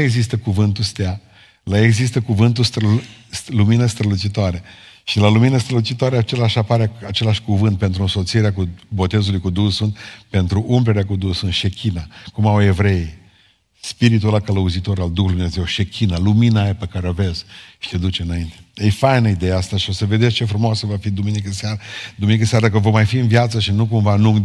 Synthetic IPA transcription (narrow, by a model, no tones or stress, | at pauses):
eɡzist̪əkuvɨnt̪ust̪ea | laeɡzist̪əkuvɨnt̪ust̪ɾəluminəst̪ɾəlut͡ʃit̪oaɾeʃilaluminəst̪ɾəlut͡ʃit̪oaɾeat͡ʃe̞laʃapaɾeat͡ʃe̞laʃʲkuvɨnt̪̚pe̞nt̪ɾuɨnso̞t̪sieɾeakubo̞t̪ezulujkud̪usunpe̞nt̪ɾuʔumpɾeɾeakud̪usunʃekʲinakumawe̞vɾe̞i | spiɾit̪̬ualkələuzit̪o̞ɾald̪uxuljd̪umnezewʃe̞kʰʲinaluminajepekaɾeove̞zʃi̥t̪ed̪ut͡ʃeɨnaint̪e̞efajnəid̪e̞jaast̪aʃio̞səved̪est͡ʃe̞fɾumoasəvafid̪uminikəseaɾd̪uminikəseaɾad̪akəvomajfiɨnvjat̪səʃinuk̬umvanuŋ